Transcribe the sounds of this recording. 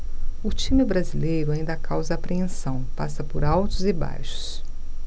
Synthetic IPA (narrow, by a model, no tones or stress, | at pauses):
ʊt͡ʃĩmɪbɾazilejɾʊaĩnd̪ɐkawzɐːpɾeẽsɐ̃w̃pa̰sɐpʊɾawt̪ʊzɪba̰jʃʊ̥s